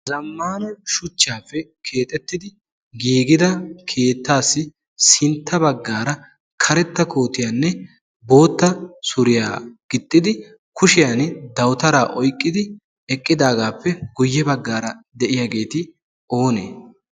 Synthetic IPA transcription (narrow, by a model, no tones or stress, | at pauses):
zɐmːaːnɔʃʊt͡ʃːaːpːɛkʰe̞ːt̪ʼɛt̪ːɪd̪ɪ | ɡiːɡɪd̪ɐkʰe̞ːt̪ːaːsːɪ | sɪnt̪ːɐbɐɡːaːɾɐ | kʰɐɾɛt̪ːɐkʰo̞ːt̪ɪjaːnːɛ | bo̞ːt̪ːɐsʊɾɪja̰ːɡ̥ɪt̪ʼːɪd̪ɪ | kʊʃɪjand̪ɐwt̪ɐɾaːʔɔjkʼːɪd̪ɪ | ɛkʼːɪd̪aːɡaːpːɛɡʊjːɛbɐɡːaːɾɐd̪ɛʔɪjaːɡe̞ːt̪ɪ | o̞ːnḛː